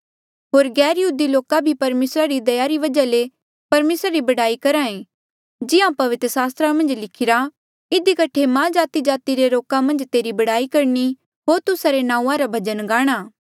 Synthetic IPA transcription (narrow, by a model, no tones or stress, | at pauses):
ɦoːɾɡɛːɾjɐɦuːd̪iloːkabʱipɐɾmeːsɾaɾid̪ɐjaɾiʋɐd͡ʒale | pɐɾmeːsɾaɾibɐɽaːikɐɾãẽː | d͡ʒɪãpɐʋɪt̪ɾəsaːst̪ɾamɐ̃nd͡ʒlɪkʰɪɾa | ɪd̪ikɐʈʰemãd͡ʒaːt̪id͡ʒaːt̪iɾeɾoːkãmɐ̃nd͡ʒt̪eːɾibɐɽaːikɐɾni | ɦoːɾt̪ʊsaɾenãːũãɾabʱɐd͡ʒənɡaːɽ̃aː